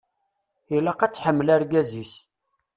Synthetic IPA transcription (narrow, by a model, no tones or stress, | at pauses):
ilæqæt͡sːħəmːəlæɾɡæzis